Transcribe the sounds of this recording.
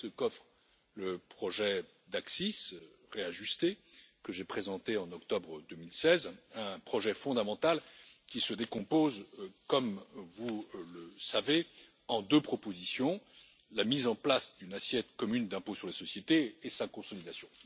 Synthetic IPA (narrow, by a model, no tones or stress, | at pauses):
səkɔfχ | ləpχɔʒɛ | d̪aksisʁeaʒyst̪ekəʒepχezɑ̃t̪eɑ̃nɔk̚t̪ɔbʁəd̪ømilsɛzɛ̃pχɔʒɛfɔ̃d̪amɑ̃t̪alkʲisəd̪ekɔ̃pozkɔmvuləsave | ɑ̃d̪øpχɔpozisjɔ̃ | lamizɑ̃plasd̪ynasjɛt̪kɔmynd̪ɛ̃posyʁlesɔsjet̪eːsakɔ̃sɔlid̪asjɔ̃